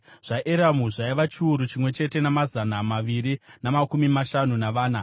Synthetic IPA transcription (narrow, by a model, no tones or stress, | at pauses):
ʐ̥aʔeɾamuʐaiʋat͡ʃiuɾut͡ʃimwe̞t͡ʃe̞te̞namazanamaʋiɾinamakumimaʃanunaʋaːna